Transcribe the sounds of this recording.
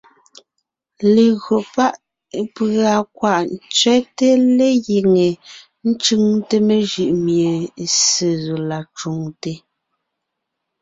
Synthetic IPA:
le˨ɣɰo˨pa˦ʔ | pa˨kwa˨ʔn̩˨t͡sɥɛ˦te˦le˦ɣe˨ŋe˨ | n̩˦t͡ʃʉ˦ŋte˦me˨ʒɯ˨ʔmje˨se˨zo˨la˨t͡ʃu˨ŋte˨

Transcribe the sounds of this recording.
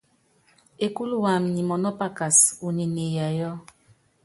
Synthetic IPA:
e˨ku˦lu˦wa˨m̩˨ni˨mɔ˨nɔ˦pa˦ka˨su˨ni˨ne˨ja˨jɔ˦

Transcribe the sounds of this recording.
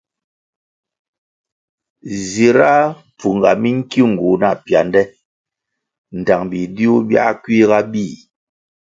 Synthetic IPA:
zi˨ɾa˦ | p͡fu˨ŋɡa̰˨mi˦ŋ̩˦ki˦ŋ̩˨ɡu˨na˦˨pja˨ndɛ˦ | n̩˨ta˨ŋbi˨di˦u˦bja̰˦kwi˦ɣa˦bi˦˨

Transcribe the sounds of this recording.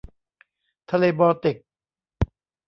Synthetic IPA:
t̪ʰa˧leː˧bɔː˧t̪i˨˩k̚

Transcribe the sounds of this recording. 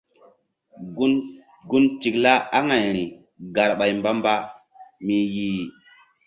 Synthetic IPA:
ɡu˦nti˨kla˦a˦ŋa˨jɾi˨ | ɡa˨ɾɓa˨jmba˦mba˦ | mi˨jiː˨

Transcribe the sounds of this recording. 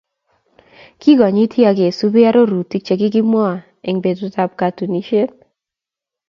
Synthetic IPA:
ki˦ɡɔ˨ɲi˦tʰji˦a˨ɡɪ˨e˨su˦bi˦a˦ɾo˦ɾu˨tːi˦k̚t͡ʃe˨ɡɪ˦ɡɪ˦mwɔ˦˨ | e˨ŋbe˨dʊ˨ta˦p̚ka˨tu˨ni˦ʃe˦n

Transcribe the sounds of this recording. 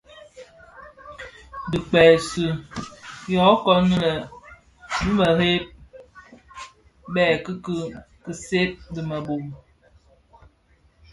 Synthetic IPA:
dɨ˨k͡pɛ˨su˨ | jɔ˨˦kɔ˦nə˦lə˨ | bɨ˦mə˨he˦p̚ | bɛː˦˨kɨ˦kɨ˦ | kɨ˨se˦p̚dɨ˨mə˨bo˨m

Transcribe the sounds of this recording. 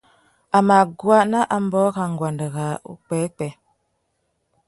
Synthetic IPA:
a˨ma˨ɡwa˦ʔna˦ʔa˨m̩˦bɔ˦ka˨ŋ̩˨ɡwa˨ndə˨ɣa˨ṵ˦k͡pɛ˨˦k͡pɛ˨

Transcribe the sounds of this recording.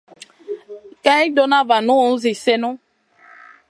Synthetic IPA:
ka˦i˦do˦nã˦va˨nũ˦˨˦zi˨se˦nũ˦

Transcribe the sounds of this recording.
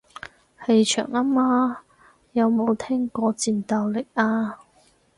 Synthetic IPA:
he˧jt͡ʃʰœ̰ː˨˩ŋa˥maː˧ | jɐ˨˧wmo˨˧wt̪ʰɛː˥ŋkɔː˧t͡siː˨˧nt̪aː˨˧wlɪ˨k̚aː˧

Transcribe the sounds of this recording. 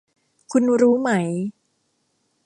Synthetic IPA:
kʰu˧nɾuː˦˥ma˦˥j

